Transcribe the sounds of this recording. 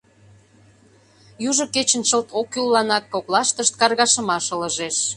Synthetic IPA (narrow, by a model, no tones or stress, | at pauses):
juʒə̆ket͡ɕə̆nt͡ɕəlt̪ʰokːylːɑnɑkːoklɑʃt̪əʃt̪̚kɑrɣɑʃə̆mɑʃə̆ləʒeʃ